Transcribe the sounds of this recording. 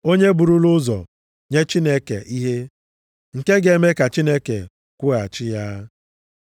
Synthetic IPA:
o˦ɲe˦bu˨ɾu˦lʊ˦zɔ̰˨ | ɲe˦t͡ʃi˦ne˦kḛ˨ʔi˦ɦe˦ | ŋ̩˨ke˦ɡe˨˦me˦ka˨t͡ʃi˦ne˦ke˨ | kʷʊ˦ɣa˨t͡ʃɪ˦ja˦

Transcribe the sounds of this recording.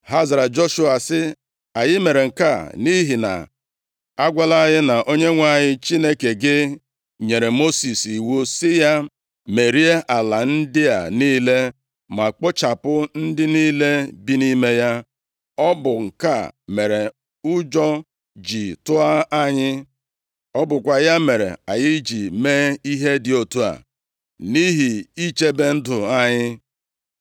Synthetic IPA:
ha˦za˨ɾa˨d͡ʒo˦ʃu˦a˨sɪ˦ | a˨ɲɪ˦me˨ɾe˨ŋ̩˨ka˦˨ni˦ɦi˨na̰˨ | a˦ɡʷa˦la˦ɲɪ˦na˨ʔo˦ɲe˦ŋʷa˦˨ɲɪ˦t͡ʃi˦ne˦ke˨ɡɪ˦ | ɲe˨ɾe˨mo˦si˨si˨wo˦sɪ˦ja˦ | me˨ɾi˦e˦ʔa˨la˨n̩˦dɪ˦a̰˨niː˦le˦ | ma˨k͡po˦t͡ʃa˨pʊ˦n̩˦dɪ˦niː˦le˦bi˦ni˦me˦ja˦ | ɔ˦bʊ˨ŋ̩˨ka̰˦˨me˨ɾe˨ | ʊ˦d͡ʒɔ˦ | d͡ʒi˨tʊ˦a˦a˦ɲɪ˦ | ɔ˦bʊ˨kʷa˨ja˦me˨ɾḛ˨a˨jɪ˦d͡ʒi˨meː˦i˦ɦe˦dɪ˨o˨tu˦a̰˨ | ni˦ɦi˨i˦t͡ʃe˦be˦n̩˦dʊ˨a˦ɲɪ˦

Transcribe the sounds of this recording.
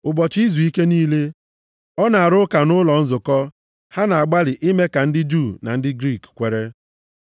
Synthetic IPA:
ʊ˨bɔ˨t͡ʃi˦zu˨i˦ke˦niː˦le˦ | ɔ˦na˨a˨ɾʊ˦ka˨nʊ˦lɔ˨n̩˦zʊ˨kɔ˦ | ha˦na˨a˨ɡ͡ba˦lɪ˨ʔɪ˦me˦ka˨n̩˦dɪ˦d͡ʒu˦˨na̰˨n̩˦dɪ˦ɡɾi˦˨kkʷe˨ɾe˦

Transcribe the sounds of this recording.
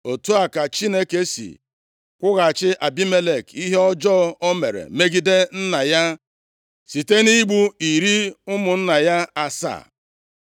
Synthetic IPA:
o˨tu˦a˨ka˨t͡ʃi˦ne˦ke˦sḭ˨ | kʷʊ˦ɣa˨t͡ʃɪ˦ʔa˨bi˦me˦le˨ki˦ɦe˦ɔ˦d͡ʒɔ˦o˦mḛ˨ɾḛ˨me˦ɡi˦de˦n̩˦na˨ja˦ | si˨te˦ni˦ɡ͡bu˦i˨ɾi˦ʊ˦mʊ˨n̩˦na˨ja˦a˨sa̰˦˨

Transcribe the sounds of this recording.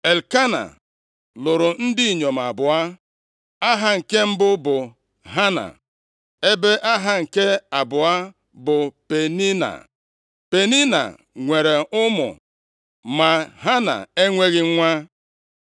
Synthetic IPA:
e˨lka˦na̰˨ | lʊ˨ɾʊ˨n̩˦dɪ˦i˨ɲo˨m˨a˨bʊ˨a˦ | a˦ɦa˦ŋ̩˨ke˦m̩˦bʊ˦bʊ˨ | ɦa˦na̰˨ | e˦be˦ʔa˦ɦa˦ŋ̩˨ke˦a˨bʊ˨a˦ | bʊ˨pe˨ni˦na̰˨ | pe˨ni˦na̰˨ | ŋʷe˨ɾe˨ʊ˦mʊ̰˨ | ma˨ɦa˦na̰˨e˦ŋʷe˦ɣɪ˦ŋʷa˦

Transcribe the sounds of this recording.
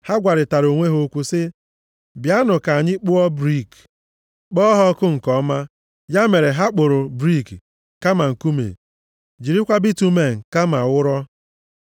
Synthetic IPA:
ha˦ɡʷa˨ɾɪ˨ta˨ɾo˨ŋʷe˦ɦo˦kʷu˦sɪ˦ | bja˦nʊ˨ka˨ɲɪ˦k͡pʊ˦ɔ˦bɾi˦˨k | k͡pɔ˦ɦɔ˦kʊ˦ŋ̩˨kɔ˦ma˦ | ja˦me˨ɾe˨ɦa˦k͡pʊ˨ɾʊ˨bɾi˦˨k | ka˦ma˨ŋ̩˨ku˦mḛ˨ | d͡ʒi˨ɾi˦kʷa˦bi˦tu˦me˨ŋ̩˨ka˦ma˨wʊ˦ɾɔ˦

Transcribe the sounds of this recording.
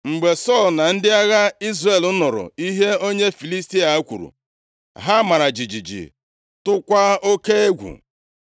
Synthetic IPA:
ŋ͡m̩˨ɡ͡be˨sɔ˦˨lna˨n̩˦dɪ˦a˦ɣa˦i˦zre˨lʊ˦nʊ˨ɾʊ̰˨i˦ɦe˦o˦ɲe˦fi˨li˦sti˦a˨˦kʷṵ˨ɾṵ˨ | ɦa˦ma˨ɾa˨d͡ʒi˨d͡ʒi˨d͡ʒḭ˨ | tʊ˦kʷa˦o˦ke˦e˦ɡʷṵ˨

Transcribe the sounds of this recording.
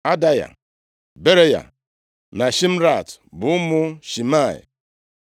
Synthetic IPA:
a˦da˦ja̰˨ | be˦ɾe˦ja̰˨ | na˨ʃi˦m̩˦ɾa˦˨tbʊ˨ʊ˦mʊ˦ʃi˨ma˦˨ɪ̰˨

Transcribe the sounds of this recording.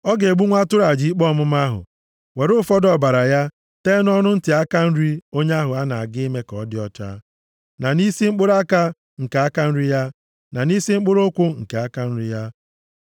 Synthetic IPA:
ɔ˦ɡe˨ɡ͡bu˦ŋʷa˦tʊ˦ɾa˨d͡ʒi˨˦i˦k͡pɔ˦˨mʊ˦m˦a˦ɦʊ̰˨ | we˨ɾʊ˦fɔ˦dɔ˨ba˨ɾa˨ja˦ | te˦n˦ɔ˦nʊ˦n̩˦tɪ˨a˦ka˦n̩˦ɾi˦o˦ɲe˦a˦ɦʊ˨a˦na˨a˨ɡɪ˦me˦kɔ˨˦dɪ˦ɔ˦t͡ʃa̰ː˦ | na˨ni˦si˦ŋ͡m̩˦k͡pʊ˦ɾa˦ka˦ | ŋ̩˨ka˨a˦ka˦n̩˦ɾi˦ja˦ | na˨ni˦si˦ŋ͡m̩˦k͡pʊ˦ɾo˦kʷʊ˦ŋ̩˨ke˨a˦ka˦n̩˦ɾi˦ja˦

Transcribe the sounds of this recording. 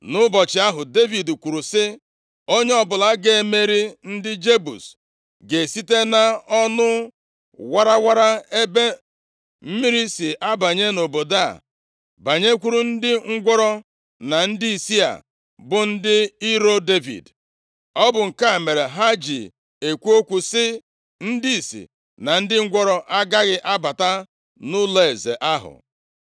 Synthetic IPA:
nʊ˦bɔ˨t͡ʃɪ˨˦a˦ɦʊ˨de˦vi˨dkʷu˨ɾu˨sɪ˦ | o˦ɲe˦ɔ˦bʊ˨la˦ɡe˦˨me˦ɾi˦n̩˦dɪ˦d͡ʒe˦bṵ˨s | ɡe˨si˦te˦na˦ɔ˦nʊ˦ | wa˦ɾa˦wa˦ɾa˦e˦be˦ | m̩˦mi˦ɾi˦sɪ˨ʔa˦ba˨ɲe˦no˨bo˨da̰˦˨ | ba˨ɲe˦kʷu˦ɾu˦n̩˦dɪ˦ŋ̩˦ɡʷɔ˦ɾɔ˦ | na˨n̩˦di˦i˨si˦a̰˨ | bʊ˨n̩˦dɪ˦i˦ɾo˦de˦vḭ˨d | ɔ˦bʊ˨ŋ̩˨ka˦˨me˨ɾe˨ɦa˦d͡ʒḭ˨ | e˨kʷu˦o˦kʷu˨sɪ˦ | n̩˦di˦i˨sḭ˨ | na˨n̩˦dɪ˦ŋ̩˦ɡʷɔ˦ɾɔ˦ʔa˦ɡa˦ɣɪ˦ʔa˦ba˨ta˦ | nʊ˦le˦e˨zḛ˨ʔa˦ɦʊ̰˨

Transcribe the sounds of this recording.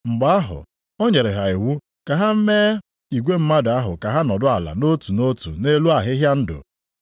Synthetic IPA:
ŋ͡m̩˨ɡ͡ba˨˦a˦ɦʊ̰˨ | ɔ˦ɲe˨ɾɪ˨ɦa˨i˨wu˦ | ka˨ɦa˦m̩˦meː˦ | i˨ɡʷe˦m̩˦ma˦dʊ˨a˦ɦʊ˨ka˨ɦa˦nɔ˨dʊ˦a˨la̰˨no˦tu˨no˦tṵ˨ne˦lu˦a˨ɦɪ˦ɦja˦n̩˦dʊ̰˨

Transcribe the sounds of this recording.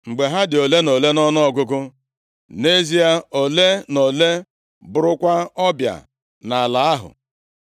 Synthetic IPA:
ŋ͡m̩˨ɡ͡be˨ɦa˦dɪ˨o˨le˦no˨le˦nɔ˦nɔ˦ɔ˦˨ɡʊ˦ɡʊ˦ | ne˦zi˦a˦o˨le˦no˨le˦ | bʊ˨ɾʊ˦kʷa˦ɔ˦bja̰˨ | na˨a˨la˨a˦ɦʊ̰˨

